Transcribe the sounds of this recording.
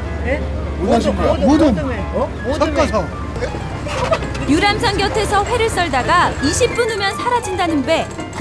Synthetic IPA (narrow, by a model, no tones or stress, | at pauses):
modɯn | ʌk͈ʌsʰʌ | juɾams̬ʰaŋɡjʌtʰe̞sʰʌɸwe̞ɾɯɭs͈ʌɭdaɡaiɕʰip̚p͈unumjʌnsʰaɾad͡ʑindanɯnbe̞